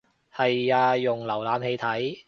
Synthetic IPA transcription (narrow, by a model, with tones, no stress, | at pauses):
hɐ˨jaː˧ʊ˨ŋlɐ˨˩wlaː˨˧mhe˧jt̪ʰɐ˨˥j